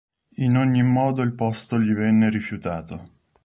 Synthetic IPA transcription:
inoɲːimːɔːd̪oilpɔst̪oʎivɛnːeɾifjut̪aːt̪o

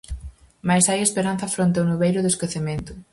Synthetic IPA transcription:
majsajespeɾanθɐfɾõnt̪eawnuβejɾʊðeskoθemẽnt̪ʊ

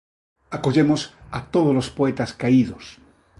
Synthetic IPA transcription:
akoʎemosat̪oðozlospoet̪askaiðos

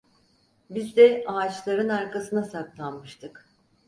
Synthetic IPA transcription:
bizd̪ɛaːt͡ʃlˠaɾɯnaɾkasɯnasaklˠanmɯʃt̪ʰɯk

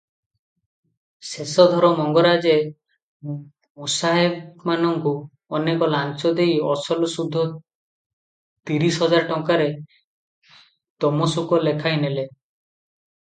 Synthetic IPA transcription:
sesɔd̪ʱɔɾɔmɔŋɡɔɾad͡ʒe | musaɦebmanɔŋku | ɔnekɔlant͡ʃɔd̪ejɔsɔlɔsud̪ʱːɔ | t̪iɾisɦɔd͡ʒaɾʈɔŋkaɾe | t̪ɔmɔsukɔlekʰaɦinele

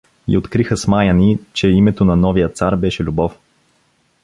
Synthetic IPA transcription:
ḭot̪kɾixəsmajənit͡ʃɛimɛt̪onɐnɔvijət̪saɾbɛʃɛlʲubɔf

